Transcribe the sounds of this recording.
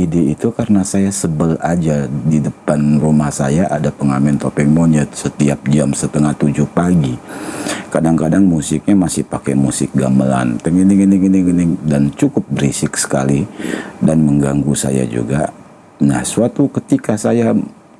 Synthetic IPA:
ideit̪ukaɾənasajasəbəlad͡ʒadidəpanrumahsajaʔadapəŋamɛnt̪opɛŋmoɲət̪̚sət̪iap̚d͡ʒamsət̪əŋaht̪ud͡ʒʊhpaɡi | kadaŋkadaŋmusɪk̚ɲamasɪhpakɛmusɪk̚ɡaməla̰nt̪əŋəniŋəniŋəniŋənɪŋdant͡ʃukʊp̚bəɾisɪksə̥kalidanməŋɡaŋɡusa̰ja̰d͡ʒṵɡa | na̰hsuat̪ukət̪ikasaja

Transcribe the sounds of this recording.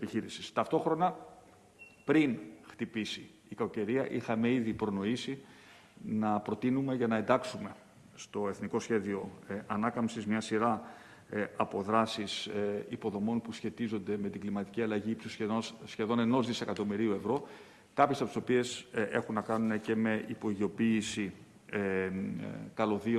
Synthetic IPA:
piçiɾisi̥st̪ɐft̪o̞xɾo̞nɐ | pɾinxt̪ipisiːkɐoce̞ɾiɐʔixɐme̞iðipɾo̞no̞isi | nɐpɾo̞t̪inume̞ʝɐnɐe̞nd̪ɐksume̞ | st̪o̞e̞θniko̞sçe̞ðio̞ɐnɐkɐmsizmɲɐsiɾɐ | ɐpo̞ðɾɐsisipo̞ðo̞mo̞npusçe̞t̪izo̞nd̪e̞me̞t̪iɡlimɐt̪i̥ciɐlɐʝiːpsuseosçe̞ðo̞ne̞no̞zðise̞kɐt̪o̞miɾiue̞vɾo̞ | kɐpçesɐpot̪iso̞pie̞sʔe̞̰xunːɐkɐnune̞ce̞me̞ʔipo̞iʝio̞piːsi | kɐlo̞ðio

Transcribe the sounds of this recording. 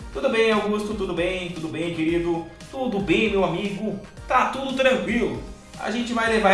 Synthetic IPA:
t̪ud̪ʊbẽj̃awɡust̪ʊt̪ud̪ʊbẽj̃t̪ud̪ʊbẽj̃keɾid̪ʊ | t̪ud̪ʊbẽj̃mewamiɡʊ | t̪at̪ud̪ʊt̪ɾɐ̃kwilʊ̰ | a̰ʒẽnt͡ʃɪvajleva

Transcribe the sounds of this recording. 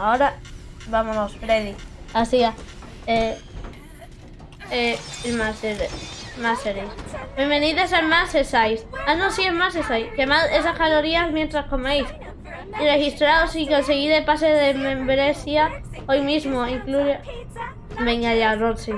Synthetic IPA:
aoɾabamosospɾeðiasia | e | eelmaseɾmast̪eɾesbembeniðesemasesajsanõsiemasesajskemasesaskaloɾiasmjent̪ɾaskomejs | irexist̪ɾaosikons̬eɣiɾepaseðemẽmbɾeθjaojmizmoiŋkluɾe | beŋaʎarot̪si

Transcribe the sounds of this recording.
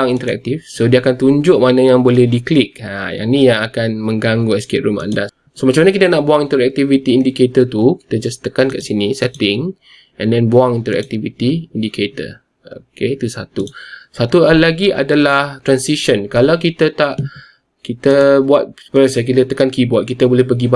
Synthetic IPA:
aŋint̪əɾɛ̰k̚t̪ifsodiəakant̪uɲd͡ʒʊʔmanãjaŋbolɛhdiklik̚aja̰nĩjaŋakanmə̃ŋɡaŋɡuɛskeʔ̚ɾuma̰nda | somat͡ʃamanakit̪ənaʔbuaŋint̪əɾɛk̚t̪ivit̪iːndiket̪ət̪uki̥t̪əd͡ʒast̪əkankaʔsinisɛt̪ɪŋ | ʔɛ̃ndɛnbuaŋĩnt̪əɾɛ̰k̚t̪ivit̪iindikʰet̪ə̰ | o̰ket̪usat̪usat̪ulaɡia̰dalaht̪ɾansiʃənkalawk̬it̪ət̪aʔ | kit̪əbuat̪̚pəɾəsək̬it̪ət̪əkankibuat̪̚kit̪abolɛhpəɡib

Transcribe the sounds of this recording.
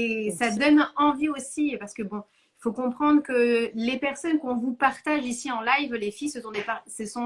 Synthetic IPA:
esad̪ɔnɑ̃viosipaʁsə̥kəbɔ̃ | ifokɔ̃pχɑ̃d̪ʁəkəlepɛʁsɔnkɔ̃vupaʁt̪aʒisiɑ̃lajvlefijsəsɔ̃d̪epaʁsəsɔ̃

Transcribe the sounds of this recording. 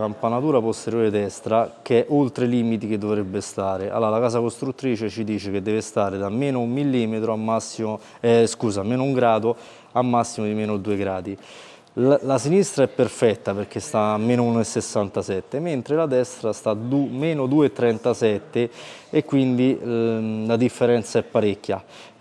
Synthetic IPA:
kampanat̪uːɾapost̪eɾjoːɾed̪ɛst̪ɾak̟ɛʔolt̪ɾeliːmit̪ik̟ed̪ːovɾebːest̪aːɾeʔa̰lːalakaːsakost̪ɾut̪ːɾiːt͡ʃet͡ʃid̪iːt͡ʃeked̪ːɛːvest̪aːɾed̪amːeːnoumːilːimet̪ɾoamːasːimo | ɛskuːzameːnouŋɡɾaːd̪o | amːasːimod̪imeːnod̪uːeɡɾaːd̪i | lasinist̪ɾaɛpːerfɛt̪ːaperk̟est̪amːeːnounoesːesːant̪asɛt̪ːement̪ɾelad̪ɛst̪ɾast̪ad̪umeːnod̪uːet̪ːɾɛnt̪asɛt̪ːeekːwind̪i | lad̪ifːeɾɛnt̪saɛpːaɾekːja

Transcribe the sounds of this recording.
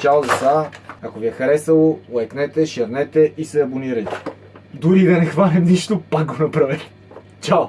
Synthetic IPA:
t͡ʃalˠzɐsaɐkoviɛxɐɾɛsɐlˠoʊɛknɛt̪ɛʃɛɾnɛt̪ɛʔisɛɐboniɾɐjt̪ɛ̥ | d̪uɾid̪ɐnɛxvanɛmniʃt̪opak̚ɡonɐpɾavɛt̪ɛ̥ | t͡ʃaw

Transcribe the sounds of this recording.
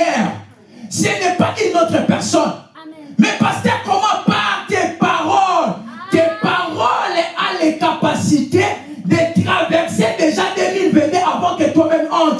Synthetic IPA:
ɛʁ | sɛnɛpaʔynot̪χəpɛʁsɔnmɛpaskɛkɔmɑ̃paʁt̪epaʁɔlt̪epaʁɔlalekapasit̪e | d̪et̪ʁavɛʁsed̪eʒad̪elilvenɛʔavɑ̃kət̪wamɛmɑ̃t̪

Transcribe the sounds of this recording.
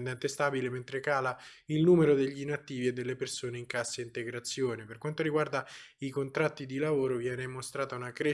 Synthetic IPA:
nd̪ɛnt̪est̪aːbilement̪ɾekaːlailnuːmeɾod̪eʎːinat̪ːiːvied̪ːelːepersoːneiŋkasːaint̪eɡɾat̪sːjoːneperkwant̪oɾiɡward̪aikont̪ɾat̪ːid̪ilavoːɾovjɛːnemost̪ɾaːt̪aunakɾe

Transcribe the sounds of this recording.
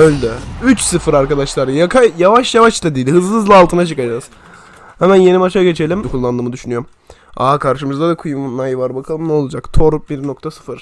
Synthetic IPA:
ølʲd̪ɛyt͡ʃsɯfɯɾaɾkad̪aʃlˠaɾjakʰajavaʃjavaʃt̪ʰad̪iːlʲhɯzlˠɯzlˠaːlˠt̪ɯnat͡ʃʰɯkad͡ʒaz | hɛmænje̞nimat͡ʃaɟe̞t͡ʃʰe̞lʲimkʰulˠːand̪ɯːmɯd̪yʃynyjoɾm | a̰kʰaɾʃɯmɯzd̪ad̪akʰujumːajɯvaɾbakʰalˠɯmnɛo̞lˠad͡ʒakt̪ʰo̞ɾubiɾno̞k̚t̪ʰasɯ̥fɯɾ̥

